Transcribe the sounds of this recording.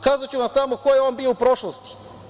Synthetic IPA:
kaːzat͡ɕuʋamsamokojeo̞ːnbijoupɾoʃlˠost̪i̥

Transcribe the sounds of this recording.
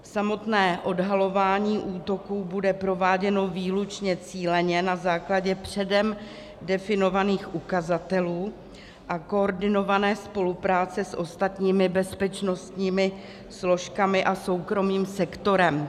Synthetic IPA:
samo̞t̪nɛːʔo̞dɦalo̞vaːɲiːʔuːt̪o̞kuːbudɛpɾo̞vaːɟɛno̞viːlut͡ʃɲɛt͡siːlɛɲɛnazaːklaɟɛpr̝̥ɛdɛm | dɛfɪno̞vaniːxʔukazat̪ɛluː | ʔako̞oɾdɪno̞vanɛːspo̞lupɾaːt͡sɛsʔo̞st̪at̪ɲiːmɪbɛspɛt͡ʃno̞st̪ɲiːmɪ | slo̞ʃkamɪʔaso̞wkɾo̞miːmsɛkt̪o̞ɾɛm

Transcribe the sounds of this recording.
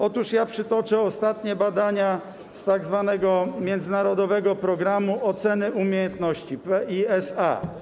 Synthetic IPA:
ɔt̪uʂjapʂɘt̪ɔt͡ʂɛɔst̪at̪ɲɛbad̪aɲa | st̪aɡzvanɛɡɔmʲjɛnd̪zɘnaɾɔd̪ɔvɛɡɔpɾɔɡɾamuʔɔt̪sɛnɘumʲjejɛnt̪nɔɕt͡ɕipɛʔiɛsa̰

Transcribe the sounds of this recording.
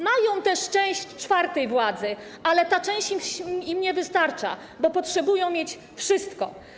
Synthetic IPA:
majɔ̃w̃t̪ɛʂt͡ʂɛ̃w̃ɕt͡ʂfaɾt̪ɛjvwad̪zɘ | ʔalɛt̪at͡ʂɛ̃w̃ɕt͡ɕiimɲɛvɘst̪aɾt͡ʂa̰ | bɔpɔtʂɛbujɔ̃w̃mʲjet͡ɕ | fʂɘst̪kɔ

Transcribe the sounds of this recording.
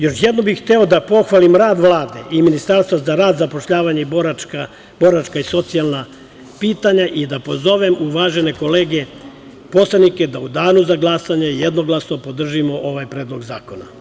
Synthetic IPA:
jo̞ʃjed̪nobixt̪eo̞d̪apo̞xʋalimɾaːd̪ʋlˠaːd̪e̞̰ʔiminist̪aɾst̪ʋazaɾaːd̪zapoʃʎaːʋaɲeiboaka | bo̞ɾat͡ʃkaiso̞t̪sijalˠna | piːt̪aɲaʔid̪apo̞zo̞ʋe̞muʋaːʒe̞ne̞ko̞leːɡe̞ | po̞slˠenike̞d̪aud̪aːnuzaɡlˠasaɲaijed̪no̞ɡlasno̞po̞d̪r̩ʒimo̞ʔo̞ʋajpɾeːd̪lˠo̞ɡzaːko̞na̰

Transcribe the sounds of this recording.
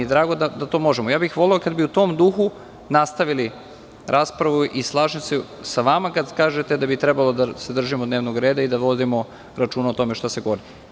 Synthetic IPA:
ed̪ɾaːɡo̞d̪ad̪at̪o̞ːmo̞ʒemojaːbixʋo̞leokad̪̚biut̪o̞ːmd̪uːxu | nast̪aʋili | ɾʔaːspɾaʋuʔislˠaːʒemse | saʋamakad̪kaːʒet̪ed̪abit̪ɾebalˠo̞d̪ased̪r̩ʒimod̪neːʋnoɡɾe̞ːd̪aid̪aʋo̞d̪imo̞ | ɾat͡ʃuːnaot̪o̞meʃt̪aseɡoʋoɾi

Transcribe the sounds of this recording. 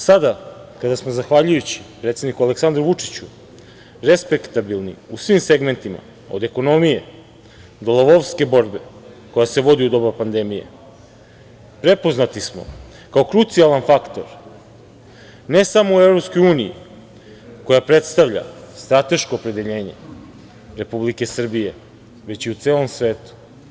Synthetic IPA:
sad̪akad̪asmozaxʋaʎujut͡ɕi̥pɾet̪se̞d̪nikuale̞ksand̪ɾuʋut͡ʂi̥t͡ɕu | ɾespekt̪abilnḭusʋimse̞ɡme̞nt̪ima̰ | o̞d̪e̞ko̞no̞mije̞ | d̪o̞lˠoʋoʋske̞bo̞ɾbe̞ | ko̞jase̞ʋo̞d̪iud̪o̞bapand̪e̞mije̞̰ | pɾe̞po̞znat̪ismo̞̰ | kaokɾut̪sialanfakt̪o̞̰ɾ | ne̞samouevɾo̞pskojuːnijḭ | ko̞japɾet̪st̪aʋʎa̰st̪ɾat̪e̞ʃkoːpɾe̞d̪e̞ʎe̞ːɲe̞̰ | ɾe̞publike̞sr̩bije̞ | ʋe̞t͡ɕiut̪se̞ːlˠo̞msʋe̞ːt̪u̥

